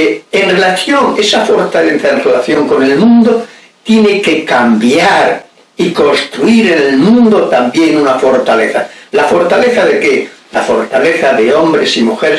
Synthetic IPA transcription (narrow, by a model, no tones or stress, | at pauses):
eenre̞laθjo̞ŋe̞safo̞ɾt̪aleθaenrelaθjoŋko̞ne̞lmũnd̪o | t̪je̞ne̞ke̞kambjaɾ | iko̞nst̪ɾuiɾenelmũnd̪o̞t̪ambje̞ŋunafo̞ɾt̪aleθalafo̞ɾt̪aleθaðekelafo̞ɾt̪aleθaðeo̞mbɾesimuxeɾ